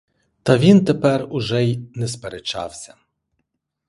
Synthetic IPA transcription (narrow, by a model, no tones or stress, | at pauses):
t̪ɐʋʲint̪epɛrʊʒɛjnɛspeɾet͡ʃɑ̰wsʲɐ